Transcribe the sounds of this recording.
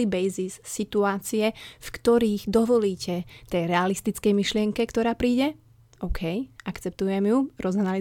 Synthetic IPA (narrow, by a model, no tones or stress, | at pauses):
ibɛjzisːit̪uaːt͡siɛfkt̪ɔɾiːɣd̪ɔʋɔliːcɛt̪ɛjɾɛalist̪it͡skɛjmiʃlɪɛŋkɛkt̪ɔɾaːpɾiːɟɛ | ɔʊkʰɛjʔakt͡sɛp̚t̪ujɛmjuɾɔzanali